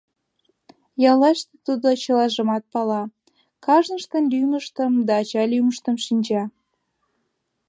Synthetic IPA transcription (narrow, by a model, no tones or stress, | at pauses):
jɑlɑʃt̪et̪ud̪ot͡ɕəlɑʒə̆mɑt̪̚pɑlɑ | kɑʒnəʃt̪ənlyməʃt̪əmd̪ɑːt͡ɕɑlʲyməʃt̪ə̆mʃinʲd͡ʑɑ